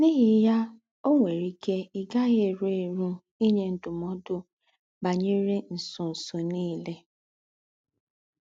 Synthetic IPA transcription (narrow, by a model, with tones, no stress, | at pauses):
ni˦ɦɪ˦ja˦ | o˦ŋʷe˨ɾi˦ke˦i˨ɡa˦ɣe˦˨ɾe˦˨ɾu˦ | i˦ɲe˨n̩˨dʊ˨mɔ˦dʊ˦ | ba˨ɲe˦ɾe˦n̩˨sʊ˨n̩˨sʊ˨niː˦le˦